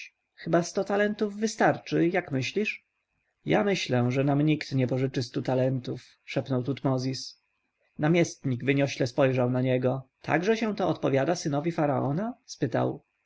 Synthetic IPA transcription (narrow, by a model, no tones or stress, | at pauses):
xɘbast̪ɔt̪alɛnt̪uvːɘst̪aɾt͡ʂɘjakmɘɕlʲiʂ | ja̰mɘɕlɛʐɛnamɲikt̪ɲɛpɔʐɘt͡ʂɘst̪ut̪alɛnt̪uf | ʂɛpnɔwt̪ut̪mɔzʲis | namʲjɛst̪ɲiɡvɘɲɔɕlɛspɔjʐawnaɲɛɡɔt̪ʰa̰ɡʐɛɕɛ̃t̪ɔɔt̪pɔvʲjad̪asɘnɔvʲifaɾaɔnaspɘt̪a̰w